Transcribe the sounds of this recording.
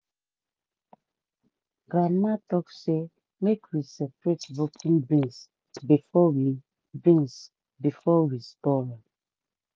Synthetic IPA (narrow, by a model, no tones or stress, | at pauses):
ɡɾamatɔkse | mekwisɛpɹetbokʰĩŋbĩns | bifɔwi | bĩns | bifɔwistɔɹa